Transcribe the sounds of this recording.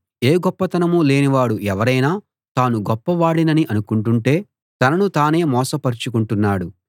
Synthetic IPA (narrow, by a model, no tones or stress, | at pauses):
e̞ːɡɔpːɐt̪ɐnɐmule̞ːniʋaːɽuʔɛʋɐɾɐjnaː | t̪aːnuɡɔpːɐʋaːɽinɐniʔɐnukuɳʈuɳʈe̞ː | t̪ɐnɐnut̪aːne̞ːmɔːsɐpɐɾit͡ʃukuɳʈunːaːɽu